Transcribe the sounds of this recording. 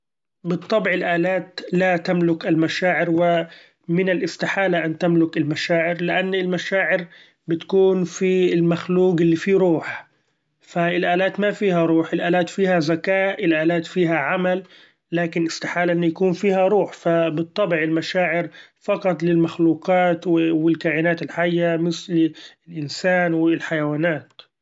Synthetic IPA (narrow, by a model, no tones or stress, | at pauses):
bɨt̪ˤːɑbʕɪlʔaːlaːt̪lat̪amlʊkɪlmaʃaːʕɪɾwɪ | mɪnɪlʔɪst̪ɪħaːlaʔant̪amlʊkɪlmaʃaːʕɪɾlɪʔanːɪlmaʃaːʕɪɾ | bɪt̪ḁkuːnfiɪlmaxluːɡɪlːiːfiːɾuːħ | faɪlʔaːlaːt̪mafiːɦaɾˤuːħɪlʔaːlaːt̪fiːhazakaːʔʔɪlʔaːlaːt̪fiːɦaʕamalː | aːkɪnʔɪst̪aħaːlaʔɪnːjakuːnfiːhaɾˤuːħfabɨt̪ˤːɑbʕɪlmaʃaːʕɪɾfɑqɑt̪ˤlɪlmaxluːqɑːt̪wɪwɪlkaːʔɪnaːt̪ɪlħajːamɪθlɪlʔɪnsaːnwɪlħajawaːnaːt̪